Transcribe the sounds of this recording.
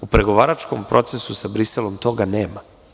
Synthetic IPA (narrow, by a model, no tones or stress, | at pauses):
upɾe̞ɡo̞ʋaːɾat͡ʃkompɾo̞t̪sesusabɾiselˠo̞mt̪o̞ɡaneːma